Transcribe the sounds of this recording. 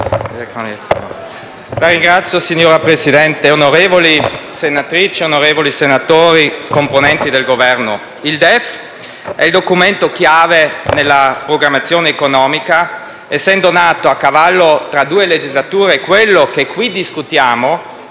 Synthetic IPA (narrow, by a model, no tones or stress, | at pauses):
eko̰ | laɾiŋɡɾat̪sːjosiɲːoːɾapɾesid̪ɛnt̪eonoɾeːvolisenat̪ɾit͡ʃeonoɾeːvolisenat̪oːɾikomponɛnt̪id̪elɡovɛrno | ild̪ɛf | ɛild̪okument̪okjaːvenelːapɾoɡɾamːat̪sːjoːneːkonɔːmika | esːɛnd̪onaːt̪oakːavalːot̪ɾad̪uːeled͡ʒizlat̪uːɾekwelːokekwid̪iskut̪jaːmo